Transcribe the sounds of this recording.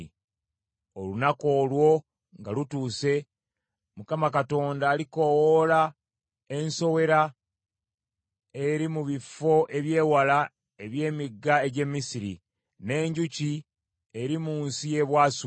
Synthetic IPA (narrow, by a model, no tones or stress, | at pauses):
o̞lunako̞ːlwo̞ | ŋɡalutuːse̞ | mukamakato̞ːndaːliko̞wola | e̞nso̞we̞ɾa | e̞ɾimuβifo̞ʔe̞βje̞ːwala | e̞βje̞ːmiɡːae̞ɟe̞mːisiɾi | ne̞ːɲɟuci | e̞ɾimuːnsije̞βwaːsu